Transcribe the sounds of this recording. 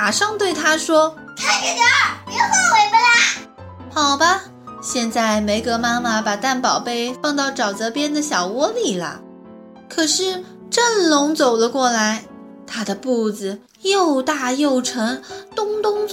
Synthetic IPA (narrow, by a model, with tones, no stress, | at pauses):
a˨˩ʂɑ˥˧ŋt̪we˥˩ɪt̪ʰa˥ʂwɔ˥k̪ʰa˥ɪi˥˩t̪ɑ˥m˧˥jo˨˧˩pa˥˩we˧˥ɪpe˥a˥˩ | xɑ˨˩ʊbɐ˦ | ɕjɛ˥˧nt͡sa˥˧ɪme˧˥ɪkɤ˧˥ma˥ma˨pa˨˩t̪a˥˩npɑ˨˩ʊpe˥˧ɪfɑ˥˧ŋt̪ɑ˥˩ʊʈ͡ʂɑ˨˩ʊt͡sɤ˧˥pjɛ˥nd̪ə˨ɕjɑ˨˩ʊwɔ˧˥li˨˩lə̰˦ | kʰɤ˨˩ʂɻ̩˥˧ | ʈ͡ʂə˥˩nlʊ˧˥ŋt͡so˨˩ʊlə˦kwɔ˥˩la˧˥ɪ | t̪ʰa˥d̪ə˨pu˥˩d͡zɹ̩˩ | jo˥˧ʊt̪a˥˧jo˥˩ʊʈ͡ʂʰɤ˧˥ŋt̪ʊ˥ŋt̪ʊ˥ŋt͡s